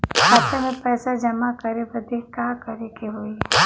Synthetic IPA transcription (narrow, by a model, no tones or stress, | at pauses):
kaːt̪emẽpɛːsad͡ʒɐmakɐɾebɐd̪ʱekaːkɐɾekeɦoːi